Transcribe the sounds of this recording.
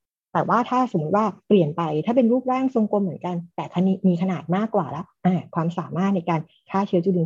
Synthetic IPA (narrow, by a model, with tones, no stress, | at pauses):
t̪ɛː˨˩waː˥˩t̪ʰaː˥˩so˨˩˦mː˦u˦˥t̪̚waː˥˩pli˨˩ənpa˧jt̪ʰaː˥˩pe˧nɾuː˥˩p̚ɾaː˥˩ŋso˧ŋko˧mːɯ˩˦ənka˧nt̪ɛː˨˩kʰa˧ni˧˥miː˧kʰa˧naː˨˩t̪̚maː˥˩kːwa̰ː˨˩lɛ˦˥ʔʔaː˨˧˩kʰwaː˧msaː˨˩˦maː˥˩t̪̚na˧jkaː˧n | kʰaː˥˩t͡ɕʰɯ˦˥ɐt͡ɕu˧˩i˧˩